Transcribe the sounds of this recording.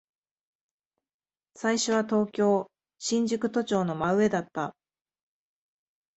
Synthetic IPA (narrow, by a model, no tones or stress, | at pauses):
saiɕo̞β̞at̪o̞ːkʲo̞ː | ɕĩɲ̟d͡ʑɨkɯ̟t̪o̞t͡ɕo̞ːno̞maɯ̟e̞d̪at̪ːa